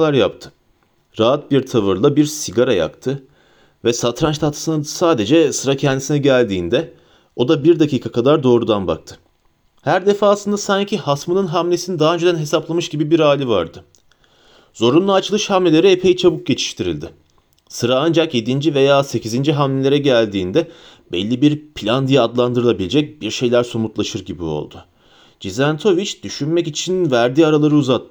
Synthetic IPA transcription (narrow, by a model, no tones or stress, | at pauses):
lˠaɾjap̚t̪ʰɯ̥ | ɾaat̪̚biɾt̪ʰavɯɾlˠabiɾsiɟaɾaja̰kt̪ʰɯ | vɛsat̪ɾant͡ʃt̪ʰat̪ʰɯ̥sɯnad̪saːd̪e̞d͡ʒɛsɯɾacʰɛnd̪isinɛɟælʲd̪ḭːnd̪ɛ | o̞d̪abiɾd̪acʰiːkʰakʰad̪aɾd̪o̞ːɾud̪anba̰k̚t̪ʰɯ̥ | hæɾd̪e̞faːsˠɯnd̪asaɲcʰihasmɯnɯnɦamlʲe̞sinid̪aːɯnd͡ʒed̪ænɦe̞saplˠamɯʃɟibibiɾaːlʲiva̰ɾd̪ɯ | zo̞ɾunlˠaːt͡ʃʰɯlˠɯʃhamlʲelʲe̞ɾiepʰe̞jit͡ʃʰabuk̚ɟe̞t͡ʃʰi̥ʃt̪ʰiɾḭlʲd̪ɪ | sɯɾaand͡ʒakje̞d̪ind͡ʒive̞jaːse̞cizind͡ʒiɦamlʲelʲeɾɛɟælʲd̪iːnd̪ɛ | bɛ̰lʲːibiɾpʰlʲand̪ijaːd̪lˠand̪ɯɾɯlˠabilʲed͡ʒɛc̚biɾʃe̞jlʲæɾsomut̪lˠaʃɯɾɟibio̞̰lˠd̪̥ʊ | d͡ʒizænt̪ʰo̞vit͡ʃd̪̥yʃynmɛcit͡ʃʰinvæɾd̪iːaɾalˠaɾɯuzat̪ːɯ